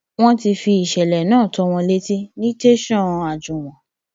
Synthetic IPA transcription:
w̃ɔ̃˦ti˧fi˧i˨ʃɛ˨lɛ˨nãː˦˨tɔ˨˧w̃ɔ̃˧le˦ti˦nĩ˦te˦ʃɔ̃˦˨˧a˨d͡ʒũ˨w̃ɔ̃˨

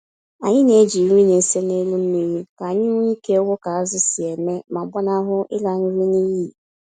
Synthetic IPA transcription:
a˨ɲɪ˦ne˦d͡ʒi˨ŋʷi˦ne˨se˦ne˦lu˦n̩˦ni˦ɾi˦ka˨ɲɪ˦ŋʷ˦i˦ke˦wʊ˦ka˨a˦zɪ˦sɪ˨e˨me˦ma˨ɡ͡ba˦na˦ɦʊ˦ʔɪ˦la˨n̩˦ɾi˦ni˦ji˦

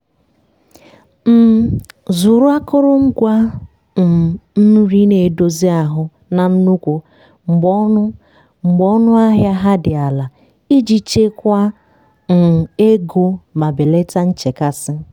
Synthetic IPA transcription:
m̩˨zu˨ɾʊ˦a˦kʊ˦ɾʊ˦ŋ͡m̩˦ɡʷa˦˨ | n̩˦ɾi˦ne˨do˦zi˦a˨ɦʊ˦ | na˨n̩˦nu˦kʷo˨ | ŋ͡m̩˨ɡ͡bɔ˦nʊ˦ | ŋ͡m̩˨ɡ͡bɔ˦nʊ˦a˦ɦja˦ɦa˦dɪ˨a˨la˨ | i˦d͡ʒi˨t͡ʃe˦kʷa˦ | n̩˨e˦ɡo˦ma˨be˨le˦ta˦n̩˦t͡ʃe˨ka˦sɪ˦

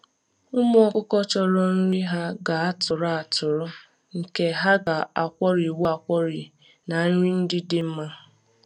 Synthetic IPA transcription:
ʊ˦m˦kʊ˦kɔ˦t͡ʃɔ˦ɾɔ˦n̩˦ɾi˦ɦa˦ɡa˨a˦tʊ˨ɾa˦a˨tʊ˨ɾɔ˦ | ŋ̩˨ke˨ɦa˦ɡa˨a˨kʷɔ˦ɾi˨wɔ˦a˨kʷɔ˦ɾi˨ | na˨˦ɾi˦n̩˦dɪ˦dɪ˦m̩˦ma˦

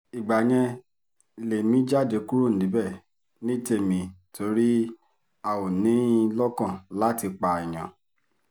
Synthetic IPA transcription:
i˨ɡ͡ba˨j̃ɛ̃˧ | le˨mĩ˦d͡ʒa˦˨de˨˧˦ku˦ɾo˦˨n̩˨dĩ˨˦bɛ˦˨ | nĩ˨˦te˦˨mĩ˧˦tʰo˧˦ɾi˦ | a˨wo˨nĩ˨˦lɔ˦kã˦˨la˨˦ti˧k͡pa˧i˨j̃ã̰˨

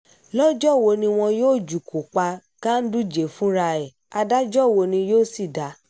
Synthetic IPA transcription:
lɔ˦d͡ʒɔ˦˨wo˧nĩ˧w̃ɔ̃˧joː˦˨d͡ʒu˨ku˨k͡pa˧ | kã˦n̩˦du˦d͡ʒe˨fũ˨˦ɾa˧ɛ˨ | a˧da˦d͡ʒɔ˦˨wo˧nĩ˧joː˦˨si˦˨da˨˦

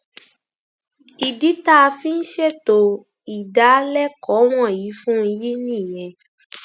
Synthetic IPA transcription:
i˨di˨˦ta˦˧fĩ˦n̩˦ʃe˦to˨ | i˨da˨˦lɛ˦kɔ˨˦w̃ɔ̃˦˨ji˨˦fũ˦i˧ji˦nĩ˦˨j̃ɛ̃˨˧

